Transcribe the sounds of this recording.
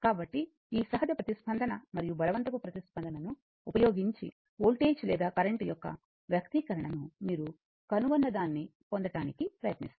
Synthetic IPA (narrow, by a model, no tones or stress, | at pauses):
kaːbɐʈːi | iːsɐɦɐd̪jɐpɾɐt̪ispʰɐnd̪ʱɐnɐmɐɾijubʱɐlɐʋɐnt̪ɐkupɾɐt̪ispɐnd̪ʱɐnɐnu | upɐjoːɡiɲt͡ʃḭ | oːlʈeːt͡ʃlɛːd̪aːkɐɾeɳʈijɔkːɐ̰ | ʋjɐkt̪ikɐɾɐɳɐnumiːɾu | kɐnuʋɐnːɐd̪aːnːipond̪ɐʈaːnikipɾɐjɐt̪nist̪